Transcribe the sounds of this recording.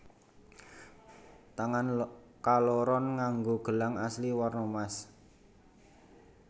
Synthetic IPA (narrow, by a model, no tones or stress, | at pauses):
t̪aŋan | kaloɾɔnŋaŋɡoɡ̥ə̤laŋasliwarnomas